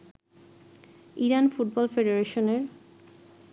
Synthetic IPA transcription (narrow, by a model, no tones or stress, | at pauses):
iɾanfuʈ̚bɔlfeɖeɾeʃoneɾ